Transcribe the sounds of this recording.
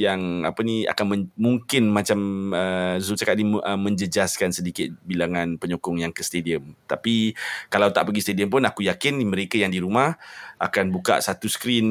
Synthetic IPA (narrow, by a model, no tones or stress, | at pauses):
jaŋa̰pənia̰kanməmuŋkɪnmat͡ʃaməzut͡ʃakat̪̚niəmːə̃ɲd͡ʒəd͡ʒaskansədikɪt̪̚bilaŋãnpəɲokʊŋjaŋkəst̪ediəmt̪apikalawt̪aʔpəɡist̪ediəmp̬ʊnakujakɪnmə̃ɾekajaŋdiɾumahakanbuka̰ʔsat̪usə̥kɾin